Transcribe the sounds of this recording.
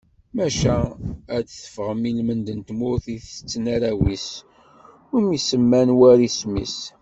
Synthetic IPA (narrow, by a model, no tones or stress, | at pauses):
mæʃæædθə̥fʁəmilmənd̪ənt̪mʊɾθiθət͡sːənaɾæwis | ʊɾmisəmːænwæɾismḭs